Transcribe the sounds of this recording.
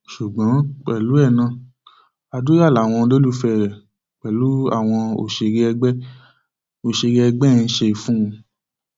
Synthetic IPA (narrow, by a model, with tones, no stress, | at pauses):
ʃu˨ɡ͡bã˨˦k͡pɛ˨lu˨˦ɛ˦˨nã˧˨ | a˧du˦ja˦˨la˨˦˨w̃ɔ̃˧lo˦lu˦fɛ˧˨ɾɛ˨ | k͡pɛ˨lu˨˦a̰˦˨w̃ɔ̃˧o̰˦˨ʃe˧ɾɛ˧ɡ͡bɛ˦ | o˨ʃe˧ɾi˦ɛ˧ɡ͡bɛ˦˧n̩˦ʃe˧fũ˦˧